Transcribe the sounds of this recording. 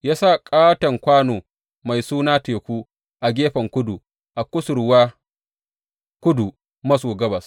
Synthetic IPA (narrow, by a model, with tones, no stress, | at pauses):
jaː˦sa˦˨kʼaː˦tɐ˨ŋkʷaː˦noː˨ | ma˨jsuː˦naː˦teː˨kʷuː˦ | ʔa˨ɡʲeː˦ɸɐ˨ŋkʷʊ˦du˨ | ʔa˨kʷʊ˦sʊ˨ɾwaː˦ | kʷʊ˦du˨ | mɐ˦soː˨ɡɐ˦bɐ˨s